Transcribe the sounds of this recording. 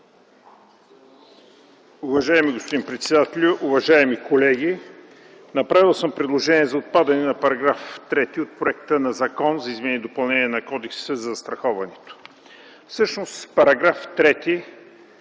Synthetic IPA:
ʊvɐʒaɛmiɡospʊd̪inpɾɛt̪sɛd̪at̪ɛlʲʊʔʊvɐʒaɛmikolɛɡʲi | nɐpɾavilˠsəmpɾɛd̪lˠoʒɛniɛzɐot̪̚pad̪ɐnɛnɐpɐɾɐɡɾaft̪ɾɛt̪iot̪̚pɾoɛkt̪ənɐzɐkɔnzɐizmɛnid̪opɐlˠnɛniɛnɐkɔd̪ɛksəzɐzɐst̪ɾɐxɔvɐnɛt̪o̥ | fsɤʃnospɐɾɐɡɾaft̪ɾɛt̪i

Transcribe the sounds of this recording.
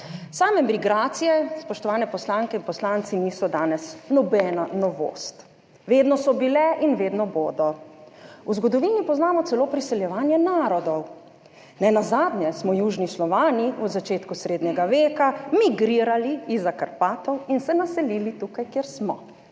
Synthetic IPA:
saːmɛmɾiɡɾaːt̪sijɛspɔʃt̪ɔʋaːnɛpɔslaːŋkɛinpɔslaːnt̪siniːsɔd̪aːnɛsnɔbɛnanɔʋo̰ːst̪ | ʋeːd̪nɔsɔbilɛʔinʋeːd̪nɔboːd̪ɔ | uzɡɔd̪ɔʋiːnipɔznaːmɔt̪sɛloːpɾisɛljɛʋaːnjɛnaːɾɔd̪ɔw | nɛnazaːd̪nɲjɛsmɔjuːʒnislɔʋaːniuzat͡ʃeːt̪kusɾeːd̪ɲɛɡaʋeːkamiɡɾiːɾaliizːakaɾpaːt̪ɔwinsɛnasɛliːlit̪ukajkjeɾsmɔ

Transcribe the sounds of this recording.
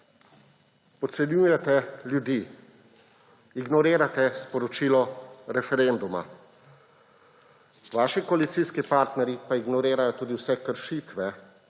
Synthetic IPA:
pɔt̪sɛnjuːjɛt̪ɛljud̪iː | iɡnɔɾeːɾat̪ɛspɔɾɔt͡ʃiːlɔɾɛfɛɾend̪uma̰ | ʋaːʃikɔalit̪siːskipaːɾt̪nɛɾjipaiɡnɔɾeːɾajɔt̪uːd̪iwsɛkəɾʃiːt̪ʋɛ

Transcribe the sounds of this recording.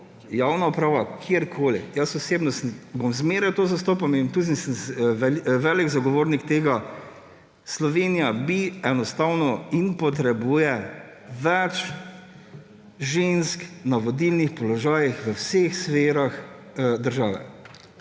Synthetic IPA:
jaːwnaɔpɾaːʋakʰːɾkʰoːlḭjəsɔseːbnɔst̪nbomzmeɾɛt̪oːzast̪ɔpamemt̪us̬nisənɛʋɛliɡzaɡɔʋoːɾnikt̪eːɡa | slɔʋeːnijabiɛnɔst̪awnɔinpɔt̪ɾɛbuːjɛ | ʋɛt͡ʃ | ʒensknaʋɔd̪ilnixpɔlɔʒaːjixʋəwsexsfeːɾax | d̪əɾʒaːʋɛ̰

